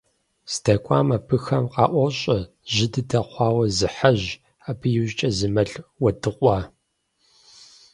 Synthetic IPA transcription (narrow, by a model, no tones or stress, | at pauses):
sdɐkʷʰʼɑ̰ːmɐpʰɨxɐmqɑ̰ːʔʷɔɕʼɐ | ʒɪdɨdɐχʷɑːwɐzɨħaʑ | apʰɨjuʑt͡ʃʼɐzɨmɐɬwɐdʰɨqʷʼɑː